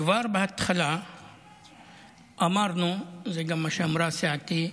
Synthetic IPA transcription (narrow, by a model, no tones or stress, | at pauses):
ʋaːɾbɐɦɐt̪xɐla | ɐmaːɾnũzeɡɐmɐʃɐmɾaːsjaːt̪i